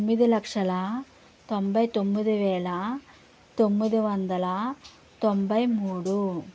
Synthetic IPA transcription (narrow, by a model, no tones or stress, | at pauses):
mːid̪ulɐkʂɐlɐ | t̪ombɐjt̪omːid̪uʋɛːɭɐ | t̪omːid̪uʋɐnd̪ɐlɐ | t̪ombɐjmuːɽu